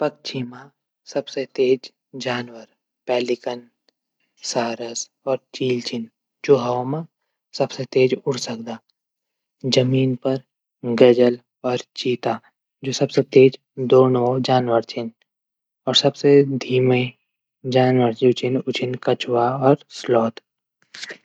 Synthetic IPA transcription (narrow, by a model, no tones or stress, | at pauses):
pɐk̚t͡ʃʰimã | sɐbset̪eːd͡ʒ | d͡ʒaːnwəɾ | pɛːlɪkən | saːɾəs | ɔːɾt͡ʃiːlt͡ʃɪn | d͡ʒoːɦamã | sɐbset̪eːd͡ʒʊɽsəkd̪aː | d͡ʒəmiːnpəɾ | ɡəd͡ʒəl | ɔːɾt͡ʃiːt̪aː | d͡ʒoːsɐbset̪eːd͡ʒ | d̪oːnod͡ʒaːnʋəɾt͡ʃɪn | ɔːɾsɐbsed̪ʱiːmẽ | d͡ʒaːnwəɾt͡ʃit͡ʃɪnʊt͡ʃɪnkət͡ʃwaɔːɾslɔːt̪